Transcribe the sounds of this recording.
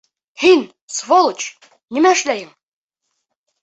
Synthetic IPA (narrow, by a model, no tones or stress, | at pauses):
hin | svolˠt͡ɕ | nimæɘ̆ʃlæjɘŋ